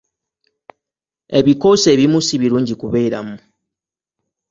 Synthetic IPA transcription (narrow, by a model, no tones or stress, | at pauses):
e̞βiko̞se̞ːβimusiβiɾuːɲɟikuβeiɾa̰mu